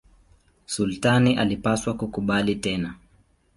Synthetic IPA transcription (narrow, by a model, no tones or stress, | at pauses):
sultaniʔalipaswakukuɓalitɛna